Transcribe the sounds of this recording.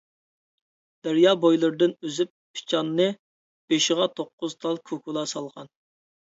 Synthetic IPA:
d̪̥æɾjɑbojlˠɨɾd̪ɨnøzypʰːi̥t͡ʃʰɑnːɨ | b̥eʃɪʁɑt̪ʰoqːʊzt̪ʰɑlˠkʰokʰulˠɑsɑlˠʁɑn

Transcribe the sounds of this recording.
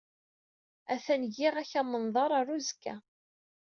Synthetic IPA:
æθænʝiʁæçæmənðˤɑɾˤarˤuzkːæ̰

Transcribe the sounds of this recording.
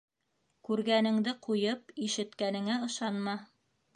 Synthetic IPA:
kʉɾɡænɘ̆ŋd̪ɘqʰujɤpiʃɘ̆t̪kænɘ̆ŋæɤ̆ʃɑnmɑ

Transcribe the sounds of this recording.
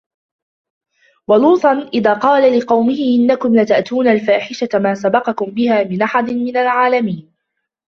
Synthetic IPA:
wɑluːt̪ˤɑnʔɪðaːqɑːlalɪqɑwmɪhɪʔɪnːakʊmlat̪aʔt̪uːnalfaːħɪʃamaːsabɑqɑkʊmbɪhaːmɪnʔaħad̪ɪnmɪnalʕaːlamiːn

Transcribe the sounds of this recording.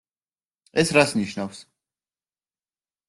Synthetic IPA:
ɛsɾasniʃnafs

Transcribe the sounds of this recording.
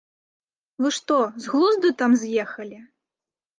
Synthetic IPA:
vɨʂt̪ɔzɣlˠuzd̪ɨt̪amzʲjɛxɐlʲi

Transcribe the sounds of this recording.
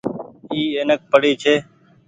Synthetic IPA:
iːeːnək̚pəɽiːt͡ʃʰeː

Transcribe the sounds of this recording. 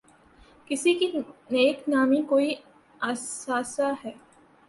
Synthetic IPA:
kɪsikineːknaːmikoːi | asaːsaɦɛː

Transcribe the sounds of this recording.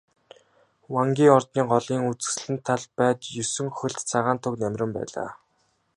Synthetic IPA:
waŋɡʲiːɔrt̪niːɢɔɮiːŋut͡sɘ̥̆s̆ɮɘ̆nt̪ʰːaɮpæːt̪jɵsɵ̆ŋxɵ̆ɮt̪t͡sʰaʁaːnt̪ʰʊknæmʲrʲɘ̆mpæ̰ːɮa̰ː

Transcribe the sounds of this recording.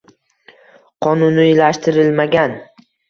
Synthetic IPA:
qʰɒnʊnʊjlaʃt̪ʰɪɾɪlmaɡʲan

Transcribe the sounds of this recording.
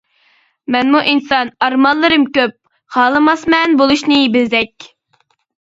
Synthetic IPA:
mɛnmuʔinsɑnɑɾmɑnlːˠɨɾɨmkʲøp̚ | χɑːlˠɨmɑsmɛnbolˠuʃnɨjibɪzd̪ɛkʲ

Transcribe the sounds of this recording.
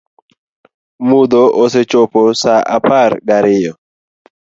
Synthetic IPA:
mʊd̪oʔoset͡ʃoposaʔapaɾɡaɾɪjɔ

